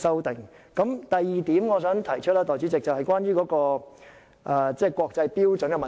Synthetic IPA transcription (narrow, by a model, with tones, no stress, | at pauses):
sɐ˥wt̪ɪ˨˩ŋ | kɐ˨˥mt̪ɐ˨jːiː˨t̪iː˨˥mŋɔː˨˧s̬œː˨˥ŋt̪ʰɐ˨˩jt͡ʃʰɵ˥t̚laː˥t̪ɔː˨˩t͡syː˨˥t͡sɪ˨k̚t͡sɐ˨whɐ˨jkʷwaː˥nɥyː˥kɔː˨˥kɔː˧ | ʔaː˧t͡sɛː˥˩kʷwɔː˧k̚t͡sɐ˧jpiː˥wt͡sɵ˨˥nkɛ˨˧mɐ˨